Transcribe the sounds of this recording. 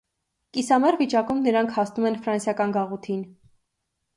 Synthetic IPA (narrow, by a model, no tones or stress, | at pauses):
kisɑmɛrvit͡ʃɑkumnəɾɑŋkʰhɑsnumɛnfɾɑnsjɑkɑnɡɑʁut̪ʰin